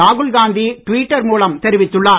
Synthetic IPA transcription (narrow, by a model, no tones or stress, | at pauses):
aːɣɯɭɡaːnd̪iʈʋiːʈːɐɾmuːlɐmt̪ɛɾɪʋɪt̪ːɯɭːaː